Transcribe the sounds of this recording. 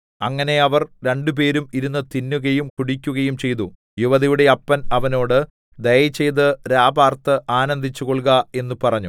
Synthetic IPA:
ɐŋːɐne̞ɐʋɐrɾe̞ɳɖup̬e̞ːɾumiɾunːɨt̪inːuɣɐjumkuɽikʲːuɣɐjumt͡ɕe̞jt̪u | juʋɐðijuɽe̞ɐpːɐnɐʋɐno̞ːɽɨ | d̪ɐjɐt͡ɕːe̞jt̪ɨɾaːbaːrt̪ɨʔaːnɐnd̪ʱit͡ɕːuɣoɭɡɐe̞nːupɐrɐɲːu

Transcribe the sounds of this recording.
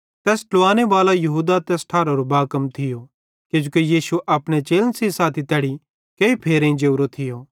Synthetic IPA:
t̪ɛːsʈʊʋaːneʋaːlajɐɦuːd̪at̪ɛːsʈʰaːɾoɾobaːkɐmt̪ʰɪjo | ked͡ʒukejiːʃuʔɐpɽ̃et͡ʃeːlənsisaːt̪ʰit̪ɛːɽi | keipʰeːɾẽĩd͡ʒeːɾot̪ʰɪjoː

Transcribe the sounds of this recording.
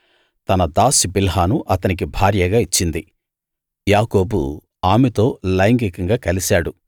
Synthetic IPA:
t̪ɐnɐd̪aːsibilɦaːnuʔɐt̪ɐnik̬ibʱaːɾjɐɡaːit͡ʃːind̪i | jaːko̞ːbṵ | aːmɛt̪o̞ːlɐjɐŋɡikɐŋɡaːkɐlisaːɽu

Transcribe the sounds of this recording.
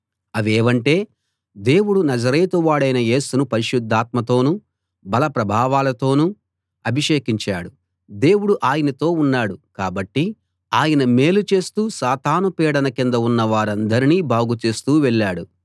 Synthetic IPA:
ɐʋeːʋɐɳʈe̞ː | d̪e̞ːwuɽunɐd͡ʒɐɾeːt̪uʋaːɽɐjnɐje̞ːsunupɐɾiʃud̪ʱːaːt̪mɐt̪o̞ːnu | bɐlɐpɾɐbʱaːʋaːlɐt̪o̞ːnu | ɐbʱiʂe̞ːkiɲt͡ʃaːɽu | d̪e̞ːwuɽuʔaːjɐnɐt̪o̞ːunːaːɽukaːbɐʈːi | aːjɐnɐme̞ːlut͡ʃe̞ːst̪uːsaːt̪aːnupɛːɽɐnɐkind̪ɐunːɐʋaːɾɐnd̪ɐɾiniːbʱaːɡut͡ʃe̞ːst̪uːʋɛɭːaːɽu

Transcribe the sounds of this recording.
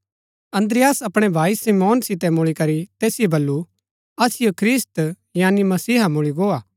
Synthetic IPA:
ɐ̃nd̪ɾɪjaːsɐpɽ̃ɛbʱaːisimoːnsɪt̪ɛmʊɭikɐɾit̪eːsɪjobɐlːu | ɐsɪjokʰɾɪst̪ | jaːnimɐsiːɦamʊɭiɡoːaː

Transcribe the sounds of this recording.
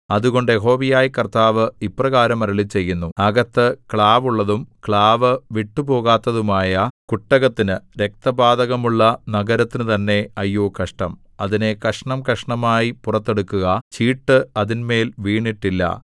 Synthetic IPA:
ɐðuɣo̞ɳɖjeɦo̞ːʋijaːjikɐrt̪aːʋɨiprɐɣaːɾɐmɐɾɐɭit͡ɕe̞jːunːuɐɣɐt̪ːɨkɭaːʋuɭːɐðumkɭaːʋɨʋiʈːuɨpo̞ːɣaːt̪ːɐðumaːjɐkuʈːɐɣɐt̪ːinɨɾe̞k̚t̪ɐbaːd̪ɐɣɐmuɭːɐnɐɣɐɾɐt̪ːinɨt̪ɐnːe̞ɐjːoːkɐʂʈɐm | ɐðine̞kɐʂɐɳɐmkɐʂɐɳɐmaːjipurɐt̪ːe̞ɽukːuɣɐt͡ɕiːʈːɨɐðinme̞ːlʋiːɳiʈːilːɐ̰

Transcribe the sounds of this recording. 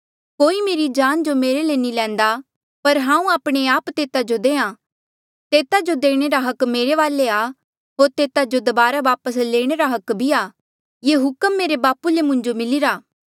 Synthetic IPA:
koːimeːɾid͡ʒaːnd͡ʒomeːɾelenilɛ̃ːnd̪a | pɐɾɦãːũaːpɽ̃eaːpt̪eːt̪ad͡ʒod̪ẽːã | t̪eːt̪ad͡ʒod̪eːɽ̃eɾaɦɐkmeːɾeʋaːlea | ɦoːɾt̪eːt̪ad͡ʒod̪ɐbaːɾabaːpəsleːɽ̃eɾaɦɐkbʱiaː | jeːɦʊkəmːeːɾebaːpulemʊ̃ɲd͡ʒomɪlɪɾaː

